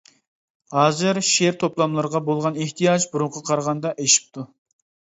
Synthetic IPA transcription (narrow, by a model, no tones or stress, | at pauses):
hɑːzɨɾʃeɾt̪ʰoplˠɑmlˠɨɾʁɑbolˠʁɑneht̪ʰijɑd͡ʒbuɾʊɴqʰɑqʰɑɾʁɑnd̪ɑʔeʃi̥p̚t̪ʰu